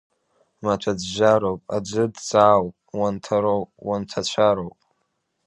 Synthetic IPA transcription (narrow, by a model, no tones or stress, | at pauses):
mat͡ʃʷʰad͡zʒʷaɾowpʼa̰d͡ʒʷɨdt͡saːwpʼ | wantʰaɾowpʼwantʰat͡ɕʷʰaɾowpʼ